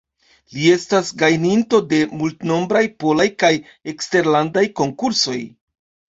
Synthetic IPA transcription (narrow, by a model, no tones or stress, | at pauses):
lie̞stasɡajninto̞de̞multno̞mbɾajpo̞lajkaj | e̞kste̞ɾlandajko̞ŋkuɾso̞j